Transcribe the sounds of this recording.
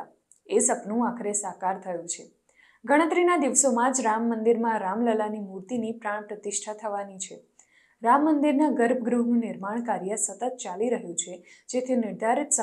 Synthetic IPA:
esəpnũakʰɾesakaɾt̪ʰəjũt͡ʃʰe | ɡəɽ̃ət̪ɾinad̪iʋsomãd͡ʒɾamːənd̪iɾmãɾamləlanimuɾt̪inipɾãɳ̃pɾət̪ɪʃʈʰat̪ʰəʋanit͡ʃʰe | ɾamːənd̪iɾnaɡəɾb̚ʱɡɾuɦnũnɪɾmaɳ̃kaɾjəsət̪ət̪̚t͡ʃaliɾəɦjũt͡ʃʰed͡ʒet̪ʰinɪɾd̪ʱaɾit̪sə

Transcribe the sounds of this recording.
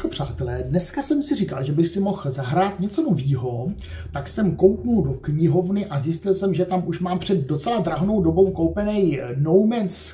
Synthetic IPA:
opr̝̥aːt̪ɛlɛːdnɛskasɛmsɪrika̰lʒɛbɪxsɪmo̞xzaɦɾaːt̪ɲɛt͡sonoviːɦo̞ | t̪aksɛmko̞wpnuldokɲɪɦo̞vnɪʔazjɪscɪlsɛmʒɛt̪amʔuʃmaːmpr̥ɛd̪ːo̞t͡sɛlad̪ɾaɦnowdo̞bo̞wkowpɛnɛjnowmɛns

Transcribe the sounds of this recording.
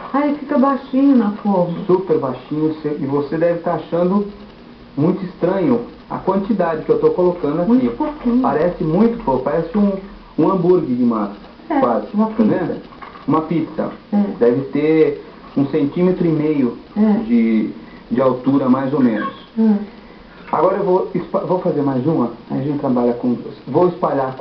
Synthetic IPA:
ajfikɐbajʃĩɲʊnɐfomsupeɾbajʃĩɲʊseɪvosed̪ɛvɪt̪aɾaʃɐ̃nd̪ʊ | mũj̃t̪ʊist̪ɾɐ̃ɲʊ | ɐ̰kwɐ̃nt͡ʃid̪ad͡ʒɪkɪewt̪owkolokɐ̃nd̪ʊɐakmũibokĩɲpaɾɛsɪmũj̃t̪ʊ̥popaɾɛsɪũ | ũɐ̃mbuɾɡɪd͡ʒɪũmɐ | ɛwazɪmɐzẽnd̪ɐ | ũmɐpit̪sɐ̰d̪ɛvɪt̪e | ũsẽnt͡ʃĩmet̪ɾʊimejʊd͡ʒɪ | d͡ʒɪawt̪uɾɐmajzomẽnʊs | a̰ɡɔɾɐewvowispavowfazeɾmajzũmɐaʒẽnt͡ʃɪt̪ɾabaʎɐkõd̪osvowɪspaʎa

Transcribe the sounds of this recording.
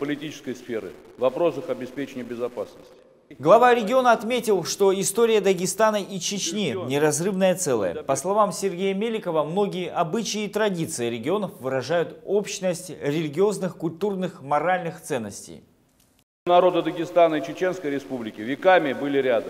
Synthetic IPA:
pəlʲɪtʲit͡ʃɪ̥skəjsfʲeɾɨ̰ | vɐpɾo̞sɨxɐbʲɪspʲet͡ɕɪnʲɪjəbʲɪzɐpasnəsʲtʲɪ̥ | ɡlˠɐvaɾʲɪɡʲɪo̞nəɐt̪mʲetʲɪlˠʂt̪o̞ɪst̪oɾʲɪjəd̪əɡʲɪst̪anəʔit͡ɕɪt͡ɕnʲinʲɪɾɐzrɨvnəjət̪sɛlˠə̰jə̰pəslˠɐvamsʲɪrɡʲejəmʲelʲɪkəvəmnoɡʲɪjəʔɐbɨt͡ɕɪit̪ɾɐdʲit̪sɨɪɾʲɪɡʲɪo̞nəfvɨɾɐʐajʊt̪o̞pɕnəsʲtʲɾʲɪlʲɪɡʲɪo̞znɨxkʊlʲt̪urnɨxmɐɾalʲnɨxt̪sɛnːəsʲtʲḛj | nɐɾo̞d̪əd̪əɡʲɪst̪anəit͡ɕɪt͡ɕe̞nskəjɾʲɪspublʲɪkʲɪvʲɪkamʲɪbɨlʲɪɾʲad̪ə

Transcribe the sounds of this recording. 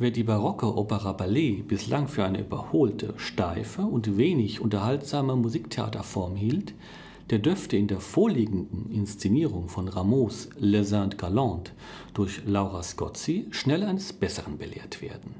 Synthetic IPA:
veːɐdiːbaʁɔkoʔoːpəʁabaleːb̥ɪslaŋfyːɐaɪnəʔy̰bɐ̰hoːltʰə̰ʃtaɪfəʊntveːnɪçʔʊntɐhaltz̥aːməmuziːktʰea̰ːtɐfɔɐmhiːlt | d̥eːɐdʏɐftəɪndeːɐfoːɐliːɡŋ̩dn̩ɪnst͡seniːʁʊŋfɔnʁamoːslezãntɡ̥alɑ̃ːnt | d̥ʊɐçlaʊʁaskɔ̰t͡siʃnɛlaɪnəsb̥ɛsəʁənbəlḛːɐtv̥ḛːɐdn̩

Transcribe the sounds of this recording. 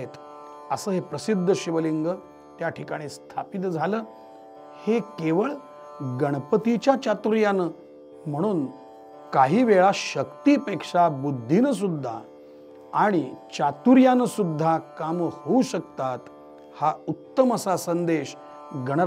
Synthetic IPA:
et̪ | əsəːɦepɾəsid̪ʱːəɕiʋəliŋɡə | t̪jaʈʰikaɽ̃ist̪ʰapit̪̬d͡zʱaləː | hekeʋəɭ | ɡəɽ̃əpət̪it͡ɕjat͡ɕat̪uɾjanə | m̤əɽ̃uːn | kaɦiːʋeɭaɕəkt̪iːpekʂabud̪ʱːinəs̬ud̪ʱːa̰ | aɽ̃it͡ɕat̪uɾjanəsud̪ʱːakamhouɕək̚t̪at̪ | haut̪ːəməsasənd̪eɕ | ɡəɽ̃ə

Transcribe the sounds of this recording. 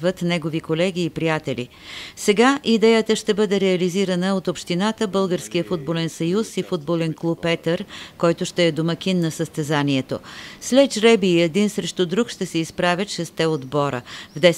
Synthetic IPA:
vət̪nɛɡovikolɛɡʲiːpɾijat̪ɛlḭ | sɛɡaʔid̪ɛjət̪əʃt̪ɛbɤd̪ɛɾɛɐliziɾənəot̪opʃt̪inat̪əbɤlˠɡəɾskijəfud̪̚bolɛnsɐjusifud̪̚bolɛnklˠupːɛt̪əɾkɔjt̪ʊʃt̪ɛːd̪omɐkʲinːɐsəst̪ɛzaniɛt̪o̰slɛʒɾɛbiːɛd̪insɾɛʃt̪ʊd̪ɾukʃt̪ɛsɛispɾavʲət̪ʃɛst̪ɛod̪bɔɾə̰vd̪ɛ

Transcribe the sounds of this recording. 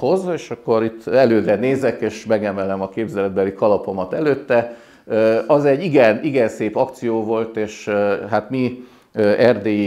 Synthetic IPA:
ho̞zeːʃɒkːo̞ɾit̪ːɛløːd̪ɾɛneːzɛkeːʃmɛɡɛmɛlɛmɒkeːbzɛlɛd̪̚bɛlikɒlɒpo̞mɒt̪ɛløːt̪ːɛ | ɒzɛɟːiɡɛniɡɛnseːpɒkt̪sijoːvo̞lt̪eːʃɦat̪mi | øʔɛrd̪eːji

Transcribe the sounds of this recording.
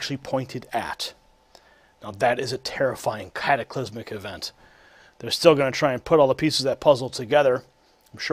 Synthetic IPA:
t͡ʃʉl̩ˠipʰɔ̃ɪ̃ntʰɨɾɨ̰t | naʊðɨɾɨzɨtʰɛɹɨfaɪɪ̃ŋkʰæɾɨkʰl̥ɪzmɨkɨvɛ̃nt̪ | ðə˞stɪlˠɡʌnɨtʰɹ̥aɪɨ̃npʰʊɾɔlˠðəpʰisɨzðɨt̚pʰʌzl̩ˠtʰɨɡɛðə˞ | ãɪ̃mʃ

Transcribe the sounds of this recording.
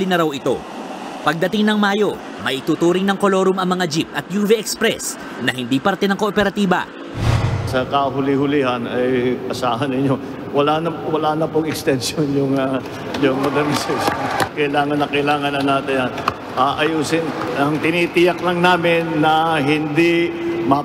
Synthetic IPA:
lɪnɐɾawɪt̪o̞̰ | pɐɡ̚d̪ɐt̪ɪŋnɐŋmaːjo̞ | mɐjʔɪt̪uːt̪uːɾɪŋnɐŋkolo̞ɾʊmɐŋmɐŋad͡ʒip̚t̪ɐt̪̚juːvɛʔɛkspɾɛs | nɐɦɪnd̪iːpɐɾt̪ɛnɐŋko̞ʔopɛɾɐt̪iːbɐ̰ | sɐkɐɦʊlɪhʊlihɐnɐjpɐsaːɦɐnɪɲo̞ | wɐlanɐwɐlanɐpʊŋɛkst̪ɛnʃonjʊŋa | jʊŋmod̪ɐɾnɪsɛʃonkɐjlaːŋɐnːɐkɐjlaːŋɐnɐnːaːt̪ɪnjan | ʔaʔɐjuːsɪnʔɐŋt̪ɪnit̪ɪjɐklɐŋnaːmɪnːɐɦɪnd̪imɐ

